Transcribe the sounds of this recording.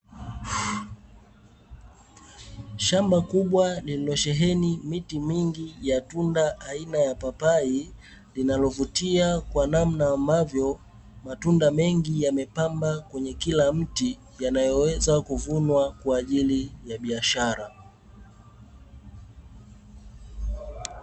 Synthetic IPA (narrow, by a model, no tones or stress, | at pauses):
ʃambakuɓwalililɔʃɛɦɛnimitimiŋɡijatundaʔainajapapai | linalɔvutiakwanam̩naːmbavjɔ | matundamɛŋɡijamɛpambakwɛɲɛkilam̩ti | janajɔwɛzakuvunwakwaːʄilijaɓiaʃaɾa